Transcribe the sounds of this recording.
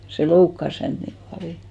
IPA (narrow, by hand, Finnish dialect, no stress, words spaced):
se loukːɑs hænt nim pɑljo